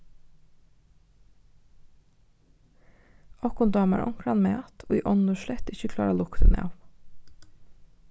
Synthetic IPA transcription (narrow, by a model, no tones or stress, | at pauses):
ɑkʊnd̪ɑːmæ̰ɹʔɔ̰ŋkɽɑnmeːt̪ʰoːḭːʔɔnəʃlɛt̪ɪçəkʰlɑːɾɑlʊkt̪ə̰nḛɑ̰ʋ